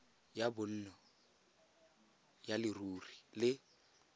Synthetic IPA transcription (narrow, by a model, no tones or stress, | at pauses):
jabʊn̩ːnɔ | jalɪruːrilɪ